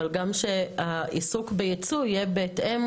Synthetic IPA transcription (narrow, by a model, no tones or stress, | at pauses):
alɡamʃeaʔisukbejet͡sujebeːtʔem